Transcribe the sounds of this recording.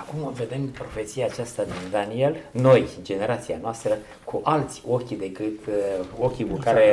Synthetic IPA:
akumve̞d̪e̞mpɾo̞fe̞t̪sijaːt͡ʃast̪ad̪ind̪anie̞lno̞jd͡ʒe̞ne̞ɾat̪sianoast̪ɾə | kʰuʔalt̪sʲo̞kʲd̪e̞kɨt̪o̞kʲikukaɾe

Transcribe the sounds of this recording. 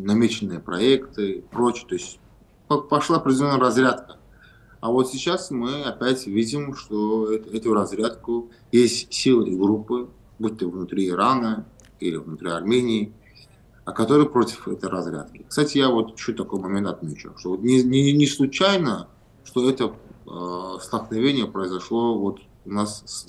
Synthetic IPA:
nɐmʲet͡ɕɪnːɨjəpɾɐekt̪ɨpɾo̞t͡ɕɪət̪o̞ɪsʲtʲ | pɐpɐʂlˠaɐpɾʲɪdʲɪlʲo̞nːəjəɾɐzɾʲat̪kə | avo̞t̪sʲɪt͡ɕasmɨɐpʲætʲvʲidʲɪmʂt̪oɛt̪ɛt̪ʊjɾɐzɾʲat̪kʊ | jesʲtʲsʲilˠɨʔiɡɾupːɨ | but̪ːəvnʊt̪ɾʲiːɾanə | ilʲɪvnʊt̪ɾʲiɐrmʲenʲɪː | kɐt̪o̞ɾɨjəpɾo̞tʲɪ̥fɛt̪əjɾɐzɾʲa̰t̪kʲɪkst̪atʲɪjavot̪ɪ̥ɕut̪ːɐko̞jmɐmʲe̞nt̪ɐt̪mʲet͡ɕʊ̰ʂt̪o̞vot̪nʲɪnʲɪnʲɪslˠʊt͡ɕajnə | ʂt̪o̞ɛt̪ə | st̪əlˠknɐvʲenʲɪjəpɾəɪzɐʂlˠo̞vot̪ | ʊnas

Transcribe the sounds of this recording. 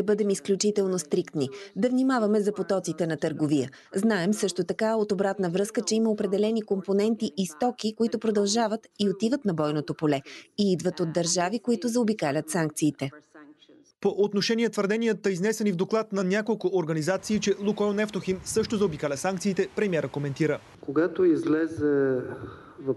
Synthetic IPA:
ɐbɤd̪ɛmisklʲut͡ʃit̪ɛlˠnost̪ɾikt̪nid̪ɐvnimavɐmɛzɐpot̪ɔt̪sit̪ɛnɐt̪əɾɡovijə̰ | znaɛmsɤʃt̪ot̪ɐkaot̪obɾat̪nəvɾɤskət͡ʃɛiməopɾɛd̪ɛlɛnikomponɛnt̪iʔist̪ɔkikoit̪ʊpɾod̪ɐlˠʒavət̪iot̪ivət̪nɐbɔjnot̪opolɛiid̪vət̪od̪d̪ɐɾʒavikoit̪ʊzɐobikalʲət̪saŋk̚t̪siːt̪ɛ | poʔot̪noʃɛniɛt̪vəɾd̪ɛnʲijət̪əiznɛsɛnivd̪oklˠat̪nɐnʲakolˠkʊʔoɾɡɐnizat̪siːt͡ʃɛlˠukɔɛlnɛft̪oximsɤʃt̪ozɐobikalʲɐsaŋkt̪siːt̪ɛpɾɛmiɛɾəkomɛnt̪iɾə | koɡat̪oizlɛzɛ | v

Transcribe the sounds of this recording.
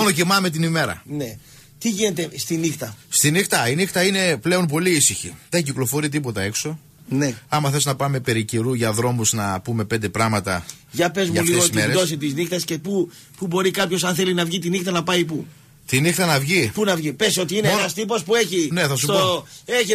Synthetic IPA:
onocimɐme̞t̪̬inime̞ɾɐ̰ne | t̪iʝine̞t̪e̞st̪inixt̪ɐst̪inixt̪ɐinixt̪ɐine̞ple̞o̞mpo̞liisiçḭðenciklofo̞ɾit̪̬ipo̞t̪ɐe̞kso̞ | ne̞ɐmɐθesnɐpɐme̞pe̞ɾiceɾuʝɐðɾo̞muznɐpume̞pe̞nd̪e̞pɾɐmɐt̪ɐ̰ | ʝɐpe̞zmɐulieɣootmeɾed̪o̞s̬it̪iznixt̪ɐsce̞pu | pubo̞ɾikɐpço̞s̬ɐnθe̞linɐvʝit̪̬inixt̪ɐnɐpɐipu | t̪inixt̪ɐnɐvʝipunɐvʝipe̞so̞t̪̬iineenɐst̪ipo̞spueçine̞θɐsuooeçi

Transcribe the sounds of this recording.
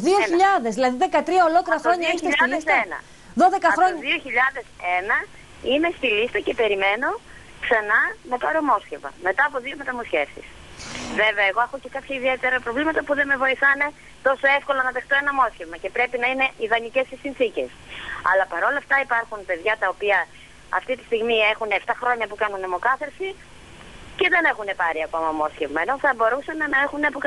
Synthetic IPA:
ðioçiʎɐðe̞zðilɐðiðe̞kɐt̪ɾiɐo̞lo̞kliɾɐxɾo̞ɲɐist̪lisenɐ̰ | ðo̞ðe̞kɐxɾoɲðioçiʎɐðe̞se̞nɐ | ine̞st̪ilist̪ɐce̞pe̞ɾime̞no̞ | ksɐnɐme̞pɐɾo̞mo̞sçe̞vmɐ̰me̞t̪ɐːpo̞ðio̞me̞t̪ɐmosçe̞fsḭs | veveɐeɣo̞exoce̞kɐpçɐiðie̞t̪e̞ɾɐpɾo̞vlimɐt̪ɐpuðe̞me̞vo̞iθɐne̞ | t̪o̞so̞e̞fko̞lɐnɐðext̪oe̞nɐmo̞sce̞vmɐce̞pɾe̞pinɐine̞ʔiðɐnice̞sisinθice̞sɐ̰lɐpɐɾo̞lɐft̪ɐipɐɾxunpe̞ðʝɐt̪ɐo̞piɐ | ɐ̰ft̪it̪i̥st̪iɣmie̞xuneft̪ɐxɾo̞ɲɐpukɐnunemo̞kɐθeɾsi | ce̞ðe̞ne̞xune̞pɐɾiɐko̞mɐmo̞sce̞vmɐe̞no̞θɐbo̞ɾusɐnnɐe̞xuneɐpok

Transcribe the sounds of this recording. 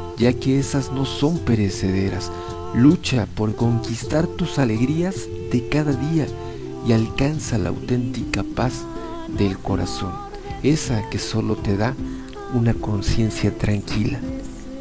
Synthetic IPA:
ɟ͡ʝake̞esazno̞so̞mpe̞ɾe̞se̞ðe̞ɾas | lut͡ʃapo̞ɾko̞ŋkist̪aɾt̪usale̞ɣɾiaz | d̪e̞kaðaðia | ialkansala̰a̰wt̪e̞nt̪ikapaz | d̪e̞lko̞ɾa̰so̞̰n | e̞sake̞so̞lo̞t̪e̞ða | unako̞nsje̞nsjat̪ɾaŋkila

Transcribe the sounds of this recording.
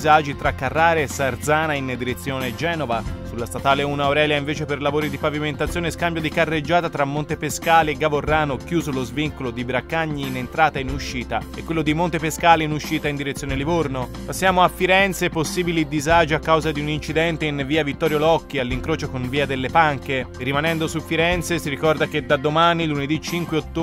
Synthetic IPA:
zad͡ʒit̪ɾakːarːaːɾeesard̪zaːnaind̪iɾet̪sːjoːned͡ʒɛːnovasulːast̪at̪aːleunaoɾɛːljaiɱveːt͡ʃeperlavoːɾid̪ipaviment̪at̪sjoːneskambjod̪ikarːed͡ʒːaːt̪at̪ɾamːont̪epeskaːleːɡːavorːaːnokjuːzolozviŋkolod̪ibɾakːaɲːiːnent̪ɾaːt̪ainuʃːiːt̪aɛkwelːod̪imont̪epeskaːleinuʃːiːt̪aind̪iɾet̪sːjoːnelivorno | pasːjaːmoafːiɾɛnt̪seposːiːbilid̪izaːd͡ʒeakːawzad̪iunint͡ʃid̪ɛnt̪einviːavit̪ːɔːɾjolɔkːialːiŋkɾoːt͡ʃokonviːad̪elːepaŋkerimanɛnd̪osufːiɾɛnt̪sesiɾikɔrd̪ak̟ed̪ad̪omaːniluned̪it͡ʃiŋkweot̪ːo

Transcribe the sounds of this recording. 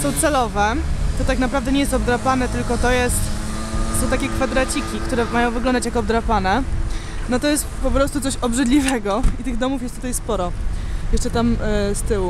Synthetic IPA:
sɔ̃w̃t̪sɛlɔvɛt̪ɔt̪aknapɾavd̪ɛɲejɛst̪ɔbd̪ɾapanɛt̪ɘlkɔt̪ɔjɛst̪ | sɔ̃w̃t̪akʲɛkfad̪ɾat͡ɕikʲikt̪uɾɛmajɔ̃w̃vɘɡlɔ̃nd̪at͡ɕjakɔb̚d̪ɾapanɛ | nɔt̪ɔjɛst̪pɔpɾɔst̪ut̪sɔɕɔbʐɘd̪lʲivɛɡɔit̪ɘɣd̪ɔmufjɛst̪ut̪ajspɔɾɔjɛʂt͡ʂɛt̪amst̪ɘwu

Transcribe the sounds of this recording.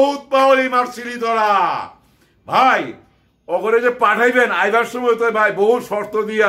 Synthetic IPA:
ɦut̪̚baolimaɾsilid̪ɔɾa | bʱaj | ɔɡoɾed͡ʑepaʈʰajbenajbaɾʃomojt̪obʱajboɦut̪ʃɔɾt̪od̪ia

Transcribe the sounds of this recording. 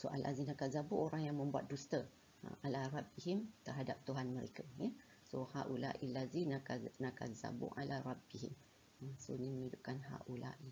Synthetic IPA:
soʔa̰lʔa̰zinakazabʊʔoɾaŋjaŋmə̃mbua̰t̪̚dust̪ə | ə̰alarˤɑbiɦimt̪ərɦadap̚t̪uɦanməɾekajɛ | sohaʔulaʔilazinaka̰za̰bʊ̰ʔalarˤɑbiɦim | əsoniməmiduʔkanha̰ʔulaʔi

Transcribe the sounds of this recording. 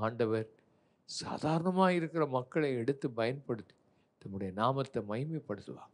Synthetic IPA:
aːɳɖɐʋɐɾ | sa̰ːðaːɾɐɳɐmaːɪɾɯkːɪrɐmɐkːɐɭɐɪɛɽɯt̪ːɯpɐjɐnpɐɽɯt̪ːɯ̥ | t̪ɐmːɯɽɐjɐnaːmɐt̪ːɐmɐɪmipːɐɽɯt̪ːɯʋa̰ːŋ

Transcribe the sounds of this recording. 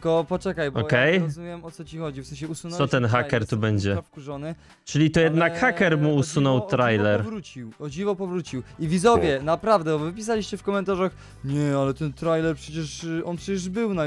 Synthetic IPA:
kɔpɔt͡ʂɛkajbɔɔjkɛjɾɔzumʲjɛmɔt̪sɔt͡ɕixɔd͡ʑifsɛñɕ̬ɛusunsɔt̪ɛnxakɛɾt̪ubɛɲd͡ʑɛfkuʐɔnɘ | t͡ʂɘlʲit̪ɔjɛd̪nakxakɛɾmuːsunɔwt̪ɾajlɛɾvɾut͡ɕiwɔd͡ʑivɔpɔvɾut͡ɕiwivʲizɔvʲjɛnapɾavd̪ɛɔvɘpʲis̬alʲiɕt͡ɕɛfkɔmɛnt̪aʐax | ɲɛalɛt̪ɛnt̪ɾajlɛɾpʂɛt͡ɕɛʂɔnpʂɛt͡ɕɛʐbɘwna

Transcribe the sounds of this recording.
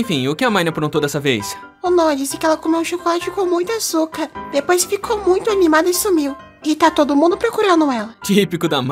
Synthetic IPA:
ẽfĩʊkɪɐmãj̃nɐpɾõnt̪od̪ɛsɐvḛjs | onõɐd͡ʒisɪkɪɛlɐkomewũʃokolat͡ʃʊikõwmũj̃t̪asukɐɾd̪epojsfikʰowmũj̃t̪ʊanimad̪ɐisumiw | ɡit̪at̪od̪ʊmũnd̪ʊpɾokuɾɐ̃nd̪ʊɛlɐt͡ʃipikʊd̪ɐm

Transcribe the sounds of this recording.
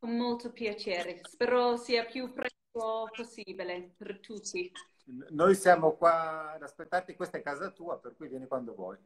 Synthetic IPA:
ɔmɔltʰɔpʰjat͡ʃʰjɛːɾɪspɛɾɔsiːapʰjupʰrɛkɔpʰɔsiːbɛlɛpʰɛrtʰuːtʰi | nojsjaːmokwad̪aspet̪ːart̪ikwest̪aɛkːaːzat̪uːaperkuvjɛːnikwand̪ovwɔ̰j

